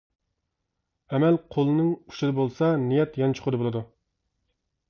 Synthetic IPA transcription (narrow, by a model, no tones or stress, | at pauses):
ɛmɛlqʰolˠnɨŋu̥ʃɪd̪ɨbolˠsɑnijɛt̪jɛnt͡ʃʰo̥qʰʊd̪ɨbolˠɨd̪u